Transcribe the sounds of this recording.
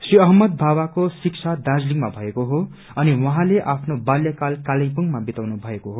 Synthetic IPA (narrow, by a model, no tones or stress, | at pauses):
sriʌɦʌmːʌd̪̚bʱabakosik̚t͡sʰad̪ad͡zliŋmabʱʌekoɦo | ʌniwʌɦãleʔapʰnobaljʌkalkalʌ̃jpuŋmabit̪awnubʱʌekoɦo